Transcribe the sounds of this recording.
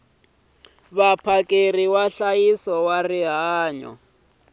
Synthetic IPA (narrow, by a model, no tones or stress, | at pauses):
βapʰakʼeriwaɬajisɔwariɦaːɲɔ̰